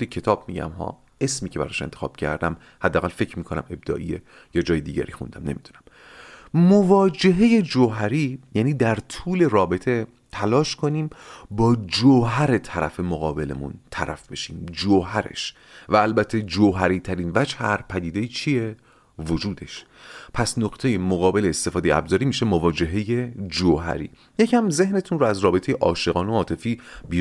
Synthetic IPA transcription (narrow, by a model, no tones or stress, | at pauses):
icʰe̞t̪ʰɒːb̥mḭːɟæ̰mɦɒ̰ː | e̞smiːcʰeæɾɒ̰ːʃent̪ʰe̥xɒ̰ːb̥cʰæ̰ɾd̪æm | hæd̪ːæɣælfe̞cʰɾmiːkʰonæ̰me̞b̚d̪ɒ̰ːʔije | jɒːd͡ʒɒːjed̪iːɟæ̰ɾiːxund̪æmne̞miːd̪unæm | movɒːd͡ʒe̞ɦe̞je̞d͡ʒoɦæɾiːjæːniːd̪æɾt̪ʰuːle̞ɾɒːbe̞t̪ʰe̞ | t̪ʰælɒːʃkʰo̞niːmbɒːd͡ʒoɦæɾe̞t̪ʰæɾʔæ̰fe̞moɣɒːbe̞lḛmṵnt̪ʰæ̰ɾʔæ̰fbe̞ʃiːmd͡ʒoɦæɾḛʃ | væːlbæt̪ʰːe̞d͡ʒoɦæɾiːt̪ʰæɾiːnvæt͡ʃʰæɾpʰæd̪iːd̪e̞jit͡ʃʰije̞ | vo̞d͡ʒuːd̪e̞ʃ | pʰæsnoqt̪ʰe̞je̞moɣɒːbe̞leːst̪e̞fɒːd̪ejæ̰bzɒːɾiːmiːʃe̞movɒːd͡ʒe̞ɦe̞je̞d͡ʒoɦæ̰ɾḭː | jecʰæmze̞ɦne̞t̪ʰunroæzɾɒːbe̞t̪ʰe̞jeʔɒːʃe̞ɣɒːnoɒːt̪ʰe̞fiːbi